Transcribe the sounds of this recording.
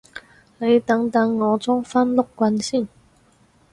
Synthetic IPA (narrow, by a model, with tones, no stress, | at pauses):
le˨˧˦t̪a˨˧˥ŋt̪a˧ŋːɔ˨˧˦t͡sɔ˥ŋfa˦˥nlo˥˩kkːwa˧nɕi˥˨n